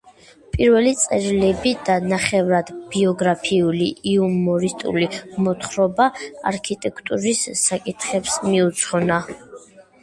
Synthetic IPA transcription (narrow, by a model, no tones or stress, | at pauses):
pʼiɾvɛlit̪sʼɛɾilɛbid̪anaχɛvɾad̪b̥iɔɡɾapʰiuliiumɔɾist̪ʼṵlimɔt̪χɾɔbaa̰ɾkʰit̪ʼɛkʰt̪ʼuɾisːakʼit̪ʰχɛpsmiut̪sʰχɔna